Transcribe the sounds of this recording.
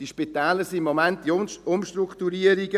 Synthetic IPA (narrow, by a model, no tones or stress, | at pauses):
d̥iʃpit̪ɛːləɾsimːɔmæntdiʊmʃt̪ɾukt̪uɾiəɾiɡə